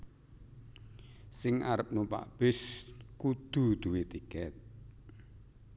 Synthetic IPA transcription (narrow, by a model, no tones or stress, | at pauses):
sɪŋʔaɾəp̚nupa̰ʔb̥ɪskud̪̥ṳd̪̥uwet̪ikɛt̪̚